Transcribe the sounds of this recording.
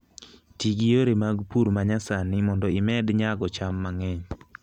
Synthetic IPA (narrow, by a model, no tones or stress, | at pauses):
tiɡioɾemaɡpuɾmaɲasanɪmɔndɔɪmɛdɲaɡɔt͡ʃamːaŋɛɲ